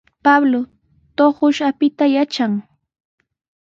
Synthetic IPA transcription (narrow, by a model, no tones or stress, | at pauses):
pablo | t̪oχʊʃapɪt̪ajat͡ʃaŋ